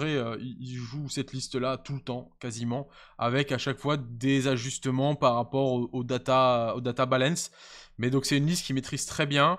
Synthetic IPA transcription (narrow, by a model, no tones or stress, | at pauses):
ʁɛøiilʒusɛt̪list̪lat̪ult̪ɑ̃kazimɑ̃ | a̰vɛkaʃakfwad̪ezaʒyst̪əmɑ̃paʁːapɔʁoʔod̪at̪aod̪at̪abalɛ̃smɛd̪ɔ̃ksɛt̪ynlist̪̚kʲimet̪χiz̥t̪χɛbjɛ̃